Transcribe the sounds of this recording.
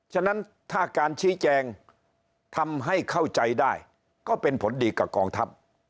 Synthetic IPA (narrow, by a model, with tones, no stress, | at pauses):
t͡ɕʰa˥˩na˦˥n | t̪ʰaː˥˩kaː˧nt͡ɕʰiː˦˥t͡ɕɛː˧ŋ | t̪ʰa˧mɦa˥˩jkʰa˥˩wt͡ɕa˧jdaː˥˩j | kɔː˥˩pe˧npʰo˨˩˦ndiː˧ka˨˩kɔː˧ŋt̪ʰa˦˥p̚